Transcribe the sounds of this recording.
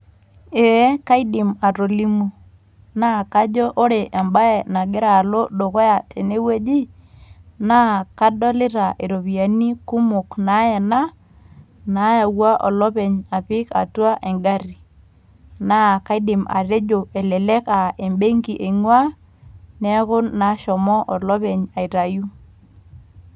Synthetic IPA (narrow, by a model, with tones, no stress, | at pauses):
e˨˦ka˦i˦dɪ˨ma˨ɾo˨li˦mo˨ | na˦˨ka˦d͡ʒɔ˦ʔo˦ɾe˨ʔɛ˨mba˦ɛ˨na˨ɡɪ˦ɾa˨lo˦do˨kɔ˦ja˨tʰe˨ne˦we˦d͡ʒi˦ | na˦ka˦dɔ˦lɪ˦ɾa˨ʔe˨ɾo˨βi˨a˨ni˦ku˦mʊ˨kna˨˦ɛ˨na˦ | na˨˦ja˨wa˦ʔɔ˨lɔ˦pɛ˨ɲa˨pɪ˦ka̰˨twa˦ʔe˨ŋɡa˦ri˨ | na˦˨ka˦ɪ˦dɪ˨ma̰˨ɾe˦d͡ʒo˨e˨lɛ˨lɛ˦ka˨e˨mbe˦ŋki˨ʔe˨ŋwa˦ | nɛ˦kʊ˦nːa˨˦ʃɔ˨mɔ˦ʔɔ˨lɔ˦pe˨ɲa˨i˨ɾa˨ju˦